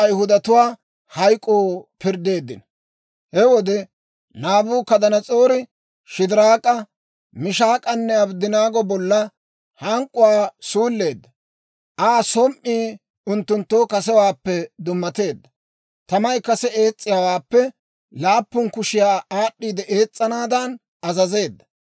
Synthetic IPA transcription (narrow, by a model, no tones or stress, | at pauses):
ɐjhʊd̪ɐt̪ʊwaː | hɐjkʼːoːpɪɾd̪e̞ːd̪ːɪnɐ | hɛwɔd̪ɛ | naːbuːkɐd̪ɐnɐt͡sʼoːɾɪ | ʃɪd̪ɪɾaːkʼɐ | mɪʃaːkʼɐnːɛɐbd̪ɪnaːɡɔbɔlːɐ | hɐŋkʼːʊwaːsuːlːe̞ːd̪ːɐ | ʔaːsɔmʔiː | ʊnt̪ːʊnt̪ːoːkɐsɛwaːpːɛd̪ʊmːɐt̪e̞ːd̪ːɐ | t̪ɐmɐjkɐsɛe̞ːt͡sʼːɪjawaːpːɛ | laːpːʊnkʊʃɪjaːaːɗːiːd̪ɛʔe̞ːt͡sʼːɐnaːd̪ɐn | ɐzɐze̞ːd̪ːɐ̥